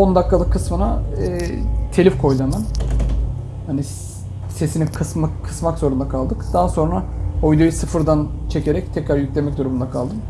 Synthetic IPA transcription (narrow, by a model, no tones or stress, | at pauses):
o̞nd̪akʰːalˠɯkːɯsmɯnaɛːt̪ʰe̞lʲifkʰo̞jlˠaman | hani | se̞sinikʰɯsmakʰːɯ̥smakzo̞ɾund̪akʰalˠd̪ɯkd̪̥aɦaso̞nɾaojd̪ujusɯfɯɾd̪ant͡ʃʰe̞cʰe̞ɾɛct̪ʰɛcɾaɾjycʲlʲemɛc̚d̪uɾumund̪akʰalˠd̪ɯm